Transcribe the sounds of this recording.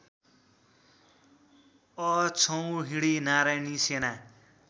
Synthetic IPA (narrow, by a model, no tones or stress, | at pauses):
ʌt͡sʰʌw̃ɦiɽinaɾajnisena